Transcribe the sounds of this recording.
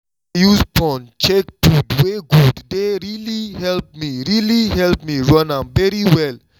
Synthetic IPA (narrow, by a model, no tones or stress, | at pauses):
juspɔ̃nt͡ʃek̚tudweɡuddeɹilihɛlp̚miɹiliɦɛlpmiɹɔ̃nãmvɛɹiwɛl